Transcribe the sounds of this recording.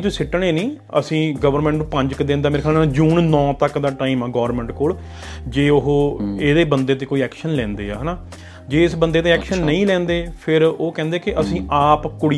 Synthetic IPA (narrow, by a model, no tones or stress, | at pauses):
t̪ʊiːsɪʈːɳ̃eːnĩː | ə̰sĩːɡəʋəɾmɛ̃ːɳʈnũːpə̃ɲd͡ʒkd̪ẽːnd̪aːmeːɾːkʰɛːlanːd͡ʒuːnnɔ̃ːt̪əkd̪aːʈaːimaːɡɔːəɾmɛ̃ːɳʈkoːɭ | d͡ʒeːʊɦoːeːd̪eːbənd̪eːt̪̬eːkoːiːɛːkʃənlɛ̃ːnd̪ḛːa̰ːɦənaː | d͡ʒeːɪsbənd̪eːt̪eːɛːkʃənːəĩːlɛ̃ːnd̪eːpʰɪɾoːkɛ̃ːnd̪eːkɪʔəsĩːʔaːpkʊɽɪ